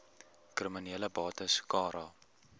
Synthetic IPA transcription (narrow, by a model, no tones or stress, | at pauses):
krəməniələbɑːtəskɑːɾɑː